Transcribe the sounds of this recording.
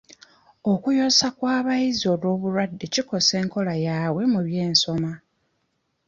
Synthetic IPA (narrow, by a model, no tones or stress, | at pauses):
o̞kujo̞ːsakwaːβajizio̞lwo̞ːβuɾwadːeciko̞se̞ːŋko̞lajaːwe̞muβje̞ːnso̞ma